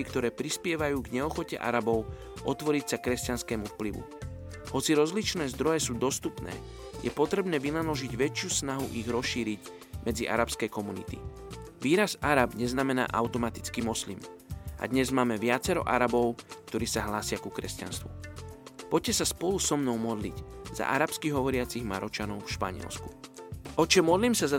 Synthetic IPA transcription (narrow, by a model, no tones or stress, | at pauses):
ikt̪ɔɾɛːpɾispɪɛʋajuːɡɲɛɔxɔcɛ̰ʔa̰ɾabɔʊ | ʔɔt̪ʋɔɾicsakɾɛscanskɛːmufpliʋṵ | hɔt͡siɾɔzlit͡ʃnɛːzd̪ɾɔjɛsuːd̪ɔst̪upnɛ̰ː | jɛpɔt̪ɾɛbnɛːʋinalɔʒiɟʋɛt͡ʃɪuːsnaɦṵʔiɣɾɔsʃiːɾiɟ | mɛd͡ziʔa̰ɾapskɛjkɔmunḭt̪ḭʋiːɾazaɾabɲɛznamɛna̰ːʔaʊt̪ɔmat̪i̥t͡skimɔslḭmʔa̰d̪ɲɛzmaːmɛʋɪat͡sɛɾɔ̰ʔa̰ɾabɔʊk̚t̪ɔɾiːsaɦlaːsɪakukɾɛsca̰nst̪ʋṵ | pɔc̚cːɛsaspɔlusɔmnɔʊmɔd̪lḭɟz̥a̰ʔaɾapskiɦɔʋɔɾɪat͡siɣma̰ɾɔt͡ʃanɔʊfʃpa̰ɲɪ̰ɛ̰lsku̥ɔt͡ʃɔmːɔd̪liːmsaza